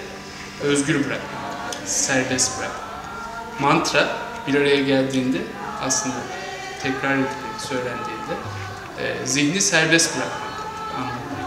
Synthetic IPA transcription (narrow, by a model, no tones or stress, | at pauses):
ø̞zɟyɾbɯɾakmasæɾbɛst̪bɯɾa̰kma | mant̪ɾabiɾaɾajaɟælʲd̪iːnd̪ɛ | aslˠɯnd̪a | t̪ʰɛcɾaɾɛt̪ɛsø̞jlʲænd̪iːnd̪ɛ̰ː | zinisæɾbɛst̪bɯɾakmak | ana